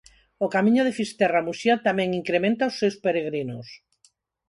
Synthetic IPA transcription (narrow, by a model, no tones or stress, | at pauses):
okamĩɲoðefist̪ɛramusjat̪amɛ̃ŋiŋkɾemẽnt̪aosːewspeɾeɣ̞ɾinos